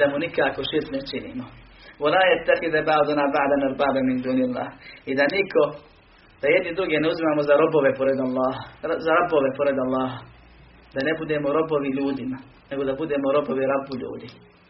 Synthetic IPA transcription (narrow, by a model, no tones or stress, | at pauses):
d̪amunikaːkoʃiɾt̪net͡ʃinḭːmo | walaːjat̪ːaxid̪abaʕd̪unaːbaʕd̪anaɾbaːbamind̪uːnilːa̰ːhid̪anikʰo̞ | d̪̥ajed̪nid̪ɾuɡeneuzimaːmozaɾoboʋepoɾed̪alˠːɑːɦaazaɾaboʋepoɾed̪alːɑːɦa | d̪anebud̪eːmoɾo̞boʋiʎuːd̪ima | ne̞ɡo̞d̪abud̪eːmoɾo̞boʋiɾabuʎṵːd̪i